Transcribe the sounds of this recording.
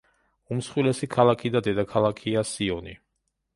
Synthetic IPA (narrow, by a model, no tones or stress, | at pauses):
umsχwilɛsikʰalˠakʰid̪ad̪ɛd̪akʰalˠakʰiasiɔni